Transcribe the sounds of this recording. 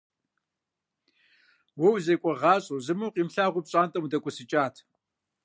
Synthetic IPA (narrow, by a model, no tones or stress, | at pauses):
wɔwzekʷʼɔʁɑːɕʼowzɨmuːqiːmɬaːʁʷʊpɕʼaːntʼɐwdɐkʷʼʊsɨt͡ʃʼaːtʰ